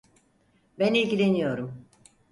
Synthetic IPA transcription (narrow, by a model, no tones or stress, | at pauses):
bænilʲɟilʲe̞nijo̞ɾum